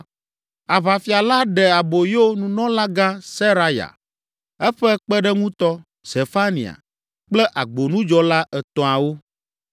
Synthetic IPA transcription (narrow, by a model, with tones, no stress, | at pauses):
a˨βa˨fi˨a˨la˦ɖɛ˨a˨bo˨je˦wo˦nũ˨nɔ̃˦la˦ɡã˦se˦ɾa˦ja̰˨ | ɛ˦ɸɛ˦k͡pɛ˦ɖɛ˦ŋũ˦t̪ɔ˦ | se˨fa˦nḭ̃˨a̰˨ | k͡plɛ˦ʔa˨ɡ͡bo˨nũ˦d͡ʒɔ˦la˦ʔɛ˨t̪ɔ̃˨a˨wo˦